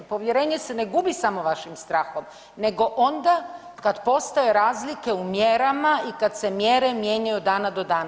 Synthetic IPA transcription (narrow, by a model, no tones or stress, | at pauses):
po̞ʋje̞ɾeːɲe̞se̞neɡubisamo̞ʋaʃimst̪ɾaːxo̞m | ne̞ɡo̞ʔo̞nd̪a | kad̪po̞st̪ajeɾaːzlike̞umjeɾamaikad̪se̞mjeɾe̞mje̞ːɲajud̪aːnad̪o̞d̪aːna